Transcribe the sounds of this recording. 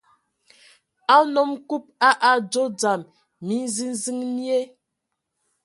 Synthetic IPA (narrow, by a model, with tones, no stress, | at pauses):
a˦nɔ˦mku˦p̚a˦ʔa˨d͡ʒo˦d͡za˨mː | i˨˦n˦zi˦n˦zi˦ŋni˦e˦